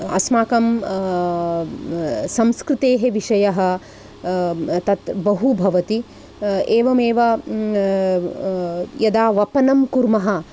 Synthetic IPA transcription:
ɐ̰smaːkɐm | sɐmskɾɪt̪eːɦeʋiʂɐjɐɦɐ̆ | t̪ɐt̪bɐɦubʱɐʋɐt̪i | eːʋɐmeːʋɐ | jɐd̪aːʋɐpɐnɐmkuɾmɐɦɐ̆

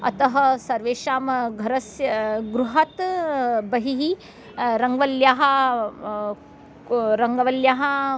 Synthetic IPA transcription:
ɐ̰t̪ɐɦɐsɐɾʋeːʃaːmɡʱɐɾɐsjɐɡɾuɦɐt̪bɐɦiɦi | ɾɐŋɡʋɐljaːɦɐ̆ | ɾɐŋɡɐʋɐljaːɦɐ̆

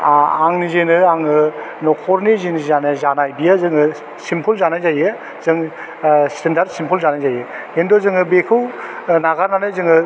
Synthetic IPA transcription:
aŋnizenɯaŋɯnɔkʰɔɾnizinɯzanɯzanajbijazɯŋɯ | simpʰulzanajzajɯ | zɯŋ | stendaɾd̚simpʰulzanajzajɯ | endozɯŋɯbekʰɯwnaɡaɾnanajzɯŋɯ

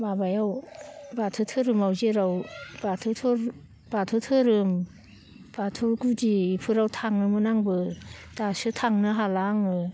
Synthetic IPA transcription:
mabajawbatʰɯtʰɯɾɯmawzeɾawbatʰɯtʰɯɾ | b̥atʰɯtʰɯɾɯm | b̥atʰuɡudiːpʰɯɾawtʰaŋnɯmɯnaŋbɯdasɯtʰaŋnɯɦalaŋɯ

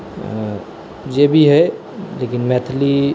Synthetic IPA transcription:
d͡ʒebʱiɦɛ | lekɪnmɛt̪ʰli

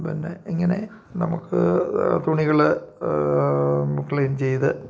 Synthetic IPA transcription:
pinːe̞̰iŋːɐne̞ | nɐmukːɨ̰t̪uɳiɣɐɭ | kːɭejnt͡ɕe̞jt̪ɨ

